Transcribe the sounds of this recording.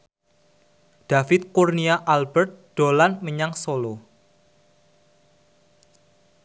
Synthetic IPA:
d̪̥a̤fɪt̪̚kurniaʔalbərt̪̚ɖ̪̥o̤lanməɲaŋsolo

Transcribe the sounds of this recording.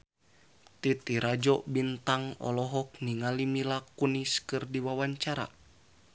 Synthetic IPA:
t̪it̪iɾad͡ʒɔbint̪aŋɔ̰lɔɦɔk̚niŋalimilakuniskɨrdiwawaɲt͡ʃaɾa̰

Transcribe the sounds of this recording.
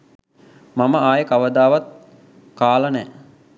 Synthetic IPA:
maməaːjəkaʋəd̪aːʋat̪̚ | kaːlənɛː

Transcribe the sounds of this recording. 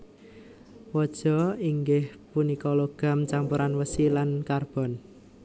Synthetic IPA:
wɔd̥ʒ̥ɔ̤iŋɡɪhpunikɔloɡ̥a̤mt͡ʃampuɾʔanwəsilankarb̥ɔ̤n

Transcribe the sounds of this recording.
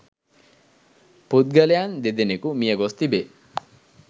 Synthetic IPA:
put̪̚ɡɐlejand̪ed̪enekumijɐɡost̪ibe

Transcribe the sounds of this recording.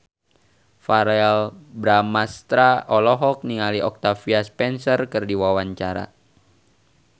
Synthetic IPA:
faɾɛlbɾamast̪ɾaʔɔlɔɦɔk̚niŋaliʔɔk̚t̪afiaspɛnsərkɨrdiwawaɲt͡ʃaɾa̰

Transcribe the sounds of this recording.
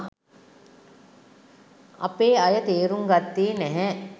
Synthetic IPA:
ɐ̰peːɐjət̪eːɾuŋɡɐt̪ːiːnɛɦɛ

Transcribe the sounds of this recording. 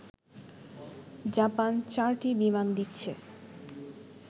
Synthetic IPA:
d͡ʑapant͡ɕaɾʈibimand̪itːɕʰe

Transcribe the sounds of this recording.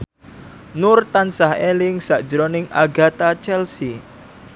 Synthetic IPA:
nʊrt̪ansahelɪŋsaʔd̥d͡ʒəɾonɪŋʔa̰ɡa̤t̪at͡ʃɛlsi

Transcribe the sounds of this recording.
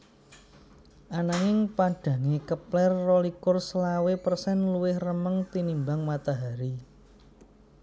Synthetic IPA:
ʔanaŋɪŋpaɖ̥ä̤ŋekəplɛrːolikʊrslawepərsɛnluwɪhrəməŋt̪inimbaŋmat̪aɦaɾi

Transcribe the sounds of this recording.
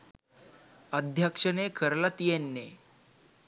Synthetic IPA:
əd̪ʱjakʂənekʰəɾlat̪ijenːe

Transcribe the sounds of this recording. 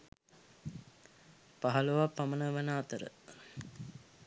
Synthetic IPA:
paɦaluʋapamənəʋənaːt̪əɾə̰

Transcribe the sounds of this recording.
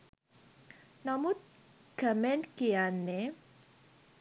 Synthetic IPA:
namut̪̚ | ɡ̥amɛnkianːe

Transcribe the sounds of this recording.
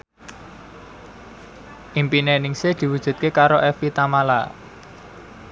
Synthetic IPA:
ʔimpinenɪŋsed̪̥i̤wud̥ʒ̥ṳt̪̚kekaɾoʔɛfit̪amala̰

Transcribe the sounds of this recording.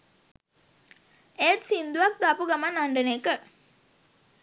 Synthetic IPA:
et̪sind̪uʋak̚d̪apuɡamanːaɳɖəneːkə

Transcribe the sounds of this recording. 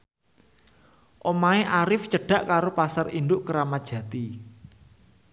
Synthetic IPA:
ʔomaeʔaɾɪft͡ʃəɖ̥a̤ʔkaɾopasarind̪ʊʔkəɾamḁʒ̥ä̤t̪i

